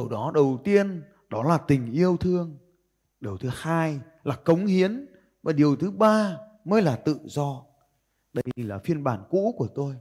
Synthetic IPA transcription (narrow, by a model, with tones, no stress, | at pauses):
ɗwɗɔ˨˦ɗə˨˩wt̪i˧ən | ɗɔ˨˦laː˨˩t̪ï˨˩ŋ̟ʔi˧əwt̪ʰɨ˧əŋ | ɗi˨˩əwt̪ʰɨ˨˦haː˧j | laː˨˩kə˨˦wŋ͡mhi˨˦ən | vaː˨˩ɗi˨˩əwt̪ʰɨ˨˦ɓaː˧ | məː˨˦jlaː˨˩t̪ɨ̰˧˨zɔ˧ | ɗə˧jlaː˨˩fi˧ənɓaː˧˩nkṵ˧˥ku˧˩ət̪o˧j